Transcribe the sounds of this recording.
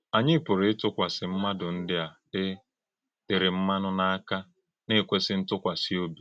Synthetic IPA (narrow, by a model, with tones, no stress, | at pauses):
a˨ɲɪ˦pʊ˨ɾɪ˨˦tʊ˦kʷa˨sɪ˨m̩˦ma˦dʊ˨n̩˦dɪ˦a˨ | ɪ˦ | tɪ˨ɾɪ˨m̩˦ma˦nʊ˦na˦a˦ka˦ | ne˦˨kʷe˦sɪ˦n̩˦tʊ˦kʷa˨si˦o˦bi˨